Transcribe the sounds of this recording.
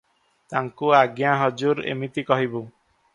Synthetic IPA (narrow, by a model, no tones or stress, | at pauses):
t̪aŋkuaɡjaɦɔd͡ʒuɾḛmit̪ikɔɦibu